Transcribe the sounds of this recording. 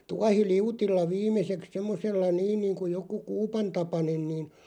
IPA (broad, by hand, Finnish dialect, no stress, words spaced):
tuɑhiliutilːɑ ʋiːmˑeseks semːoselːɑ niːn niːŋku joku kuːpɑntɑpɑnen niːn